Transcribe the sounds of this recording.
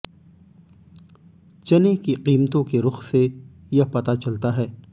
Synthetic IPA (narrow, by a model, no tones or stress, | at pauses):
t͡ʃɐnekiqiːmt̪õkeɾʊxse | japɐt̪at͡ʃɐlt̪aɦɛː